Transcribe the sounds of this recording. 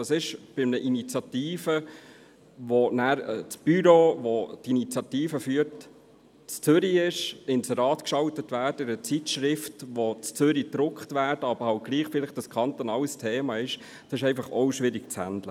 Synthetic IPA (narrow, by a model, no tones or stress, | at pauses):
ɑsɪʃb̥ɪmnəʔinit͡sjɑt̪iːfə | ʋonæːɾt͡sb̥yɾoʋodinit͡sjɑt̪iːfəfyːət | t͡st͡sʏɾiɪʃɪnsəɾɑːt̪kʃɑltətʋæːrdəɾət͡sitʃɾɪftʋot͡st͡sʏɾid̥ɾʊkχtvæːdəɑbəɾhɑwt̚ɡ̥liːχfɪlɪχtd̥ɑskχɑnt̪onɑːləstʰeːmɑɪʃ | d̥ɑsɪʃɛɪnfɑχɔwʃʋɪɾiɡ̚t͡shæ̰ndlə